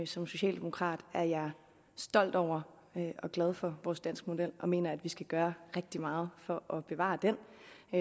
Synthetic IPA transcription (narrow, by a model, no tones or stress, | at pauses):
sɒ̽mso̝ɕɛ̰ːld̥e̝mo̝kʰʁɑ̰̈ːd̥æɐjɑ̈ɪ | sd̥ɒ̽l̰d̥ɒʊ̰ɐ | ʔɒ̽ɡ̥lɛð̞ˠfɒ̽ʋɒːsd̥æn̰sɡ̥mo̝d̥el̰ɒ̽me̝̰ːnɐæd̥ʋisɡ̥æɡ̥ɶːɐʁeɡ̥̚d̥imɑ̈ːð̞̩ˠfɒ̽ʔɒ̽b̥e̝ʋɑ̰̈ːd̥en̰